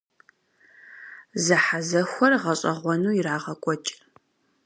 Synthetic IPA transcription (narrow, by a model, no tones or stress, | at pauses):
zɐħazɐxʷɔrʁɐɕʼɐʁʷɔnuːjiraːʁɐkʷʼɔt͡ʃʼ